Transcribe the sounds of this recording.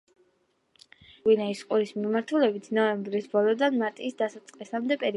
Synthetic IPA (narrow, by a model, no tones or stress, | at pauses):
winaisqʼuɾismimaɾt̪ʰulɛbit̪ʰnɔɛmbɾisbɔlˠɔd̪anmaɾt̪ʼiːsd̪asat̪sʼqʼlisamd̪ɛpʼɛɾi